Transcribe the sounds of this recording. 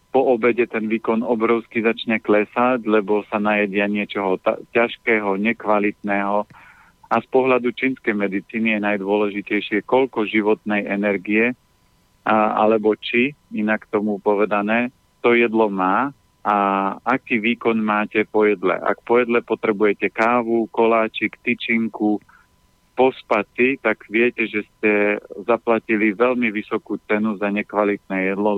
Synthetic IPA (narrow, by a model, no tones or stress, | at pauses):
pɔʔɔbɛɟɛt̪ɛnʋiːkɔnɔbɾɔʊskizat͡ʃɲɛklɛsaɟlɛbɔsanajaɟɪaɲɪɛt͡ʃɔɦɔt̪a̰caʃkɛːɦɔɲɛkʋalit̪̚nɛːɦɔ | aspɔɦlad̪ut͡ʃinskɛjmɛd̪it͡siːnijɛnajd̪ʊɔlɛʒicɛjʃɪɛkɔʎkɔʒiʋɔt̪nɛjʔɛnɛɾɡiɛ | a̰lɛbɔt͡ʃiinakt̪ɔmupɔʋɛd̪anɛː | t̪ɔjɛd̪lɔmaː | aakiːʋiːkɔnmaːcɛpɔjɛd̪lɛ̰ʔa̰kpɔjɛd̪lɛpɔt̪ɾɛbujɛcɛkaːʋukɔlaːt͡ʃikt̪it͡ʃiŋku | pɔspat͡sit̪aɡʋɪɛcɛʒɛscɛzaplaciliʋɛlmiʋisɔkuːt͡sɛnuzaɲɛkʋalit̪̚nɛːjɛd̪lɔ